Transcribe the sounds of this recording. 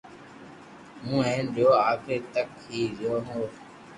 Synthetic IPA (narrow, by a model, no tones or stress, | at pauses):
mũːɛ̃ːnɗoːaːpʰeːt̪əkɦiːɾɪjoːɦõː